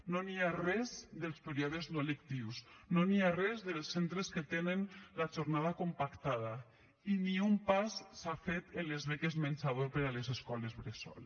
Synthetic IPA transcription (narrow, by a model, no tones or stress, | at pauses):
noniarɛzðelˠspeɾiɔðeznoelekt̪iwsnoniarɛzðelˠsːent̪ɾesket̪enenlaʒoɾnað̞akompakt̪að̞a | iniumpasːafet̪enlezβekezmenʲsaðoɾpeɾalezeskɔlezβɾesɔ̰l